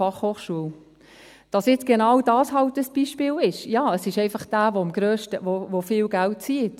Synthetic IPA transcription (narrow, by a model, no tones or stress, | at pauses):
ɑχhoːχʃuəl | d̥ɑsjɪt͡sɡ̥enɑwdɑːshɑltəsb̥iʃpɪːlɪʃjɑːəsɪʃɛɪfɑχd̥æːvoɑmɡɾøːʃtəvovofɪːlɡælt̚t͡siːət